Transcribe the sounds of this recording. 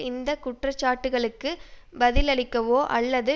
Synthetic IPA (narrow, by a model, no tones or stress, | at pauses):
ɪnd̪ɐkʊʈrɐt͡ʃːaːʈːɯɣɐɭɯkːɯbɐðɪlɐɭɪkːɐʋoːʔɐlːɐðɯ